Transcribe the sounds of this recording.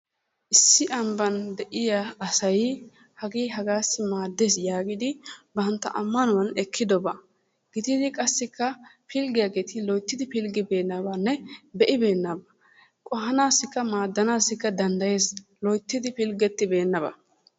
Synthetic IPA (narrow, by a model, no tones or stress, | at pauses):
ʔɪsːɪʔɐmbɐnd̪ɛʔɪjaɐsɐj | hɐɡiːɦɐɡaːsːɪmaːd̪ːeːsjaːɡɪd̪ɪbɐnt̪ːɐ̰ʔɐmːɐnɔwɐnɛkʰːɪd̪ɔbɐ | ɡ̥ɪt̪ɪd̪ɪkʼɐsːɪkːɐpʰɪlɡɪjaɡeːt̪ɪlɔjt̪ːɪd̪ɪpɪlɡɪbe̞ːnːɐbɐnːɛbɛʔɪbe̞ːnːɐbɐ | kʼɔɦɐnaːsɪkːɐmaːd̪ːɐnaːsːɪkːɐd̪ɐnd̪ɐje̞ːslɔjt̪ːɪd̪ɪpɪlɡɛt̪ːɪbe̞ːnːɐbɐ̰